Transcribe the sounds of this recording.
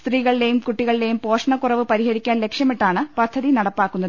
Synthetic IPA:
st̪riːɣɐɭile̞jumkuʈːiɣɐɭile̞jumpo̞ːʂɐɳɐkːurɐʋɨpɐɾihɐɾikʲːaːnle̞kʂjɐmiʈːaːɳɨpɐd̪ʱːɐðinɐɽɐpːaːkːunːɐðɨ

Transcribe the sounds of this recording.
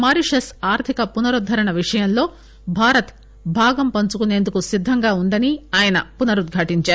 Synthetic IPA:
maːɾiʂɐsaːɾt̪ʰikɐpunɐɾud̪ʱːɐɾɐɳɐʋiʂɐjɐnlo̞ː | bʱaːɾɐt̪ | bʱaːɡɐmpɐnt͡ʃukune̞ːnd̪ukusid̪ʱːɐŋɡaːund̪ɐniaːjɐnɐpunɐɾud̪ɡʱaːʈiɲt͡ʃaːɾu

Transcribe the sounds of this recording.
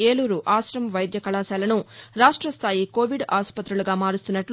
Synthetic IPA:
eːluːɾuʔaːsɾɐmʋɐjd̪jɐkɐɭaːsaːlɐnuɾaːʂʈɾɐst̪ʰaːjiko̞ːʋiɖaːspɐt̪ɾuluɡaːmaːɾust̪unːɐʈl

